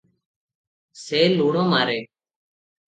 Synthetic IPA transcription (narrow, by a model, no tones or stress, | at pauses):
seːluːɳõːmaːɾeː